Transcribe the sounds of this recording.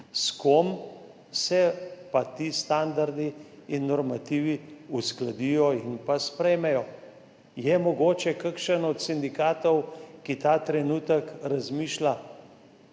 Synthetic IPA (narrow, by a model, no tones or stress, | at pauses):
skom | sɛpat̪iːst̪and̪aɾd̪iinːɔɾmat̪iːʋiusklad̪ijɔinpaspɾɛjmɛjɔ | jɛmɔɡoːt͡ʃɛkaɾkʃənɔt̪sind̪ikaːt̪ɔwkit̪aːt̪ɾɛnuːt̪əkɾazmiːʃla